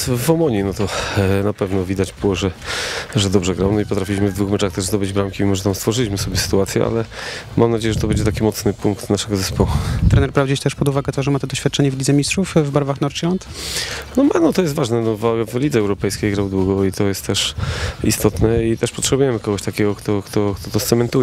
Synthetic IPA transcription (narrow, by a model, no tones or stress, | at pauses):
vɔmɔɲinɔt̪ɔnapɛvnɔvʲid̪ad͡ʑbɘwɔʐɛʐɛd̪ɔbʐɛɡɾawnɔipɔt̪ɾafʲilʲiɕmɘvd̪vuxmɛt͡ʂaxt̪ɛʐzd̪ɔbɘd͡ʑbɾamkʲimʲimɔʐɛt̪amst̪fɔʐɘɪlʲiɕmɘsɔbʲjɛsɘ̥t̪uat̪sʲjɛ̰ʔa̰lɛmʔamnad͡ʑejɛʐɛt̪ɔbɛɲd͡ʑɛt̪akʲimɔt̪snɘpuŋkt̪naʂɛɡɔzɛspɔwut̪ɾɛnɛɾpɾavd͡ʑet͡ɕt̪ɛʂpɔd̪uvaɡɛt̪ɔʐɛmat̪ɔd̪ɔɕfʲat̪̚ːt͡ʂɛɲɛvlʲid̪zɛmʲistʂufvbaɾvaxnɔɾt͡ʃilant̪nɔmanɔt̪ɔjɛst̪vaʐnɛnɔvavlʲid̪zɛːwɾɔpɛjskʲejɡɾawd̪wuɡɔit̪ɔjɛst̪t̪ːɛʂḭst̪ɔt̪nɛit̪ɛʂpɔtʂɛbujɛmɘkɔɡɔɕt̪akʲɛɡɔkt̪ɔkt̪ʰɔkt̪ʰɔt̪ɔst̪sɛmɛnt̪ujɛ